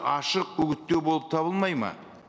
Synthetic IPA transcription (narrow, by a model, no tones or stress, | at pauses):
ɑʃəq̚ɵkʲɪt̪ːewbo̞lˠəp̚t̪ʰɑβəlˠmɑjmɑ̰